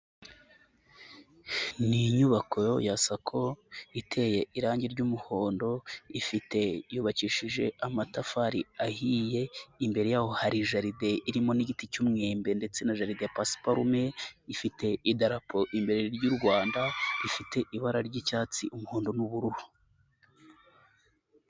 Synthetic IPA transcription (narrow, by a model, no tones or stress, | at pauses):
niɲuβakʰojojasakʰo̞itʰe̞je̞iɾaːɲɟiɾɟumuho̞ːndo̞ifite̞juːβaciːʃiʒe̞̰amatafaɾiahije̞imbe̞ɾe̞jaːho̞haɾiʒaɾide̞iɾimo̞niɟiticumŋeːmbe̞nde̞t͡se̞naʒaɾidepasi̥paɾumeifite̞idaɾapʰo̞ʔimbe̞ɾe̞ɾɟuɾɡwaːndaifitʰe̞ʔiβaɾaɾɟicaːt͡siʔumuhoːndo̞nuβuɾuɾu